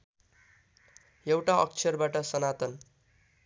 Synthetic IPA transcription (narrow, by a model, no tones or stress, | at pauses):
jewʈaʌkt͡sʰʌrbaʈʌsʌnat̪ʌn